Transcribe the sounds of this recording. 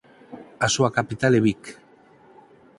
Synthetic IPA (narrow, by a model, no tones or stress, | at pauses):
asuakapit̪aleβik